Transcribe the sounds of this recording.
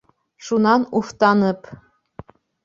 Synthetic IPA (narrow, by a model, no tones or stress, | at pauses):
ʃunɑnuft̪ɑnə̆p